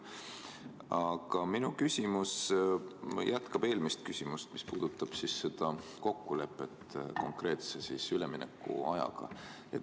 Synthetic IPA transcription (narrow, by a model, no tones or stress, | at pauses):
ɑɡ̥ɑminukysʲimus | jʔæt̪kɑb̥e̞ːlmist̪̚kysʲimust̪mispuːd̪̥ut̪ːˑɑb̥sisːe̞d̪̥ɑko̞kːule̞pːˑe̞t̪ːko̞̰ŋkre̞ːt̪sesisyleminḛkːˑṵɑjɑ̰ɡ̥ɑ̰ | e